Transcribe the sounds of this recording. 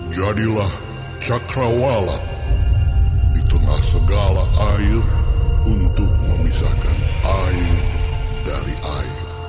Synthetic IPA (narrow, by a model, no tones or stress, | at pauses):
d͡ʒadilah | t͡ʃakɾawala̰ | dit̪əŋahsəɡalaʔaɪrunt̪ʊk̚məmisa̰kanʔairdaɾiʔair